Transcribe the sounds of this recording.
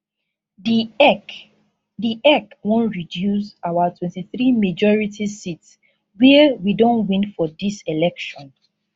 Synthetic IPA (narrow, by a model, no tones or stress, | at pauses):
diʔɛkwɔ̃nɹidjusawatʰwɛ̃ntiθɹimed͡ʒɔɹitʰisits | wiwidõnwĩnfɔdiselɛkʃɔ̃n